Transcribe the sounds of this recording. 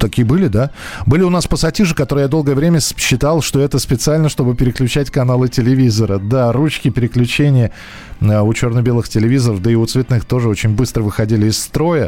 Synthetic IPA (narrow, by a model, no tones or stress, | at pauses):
t̪ɐkʲijəbɨlʲɪd̪abɨlʲɪʊnaspəsɐtʲiʐɨkɐt̪oɾɨjad̪o̞lˠɡəjəvɾʲemʲəɕːɪt̪alˠʂt̪o̞ɛt̪əspʲɪt̪sɨalʲnəʂt̪o̞bɨpʲɪɾʲɪklʲʉt͡ɕætʲkɐnalˠɨtʲɪlʲɪvʲizəɾəd̪arut͡ɕkʲɪpʲɪɾʲɪklʲʉt͡ɕenʲɪjə | əʊt͡ɕornəbʲe̞lˠɨxtʲɪlʲɪvʲizəɾəfd̪əɪʊt̪svʲɪt̪nɨxt̪o̞ʐɨo̞t͡ɕɪnʲbɨst̪ɾəvɨxɐdʲilʲɪɪsːt̪ɾo̞jə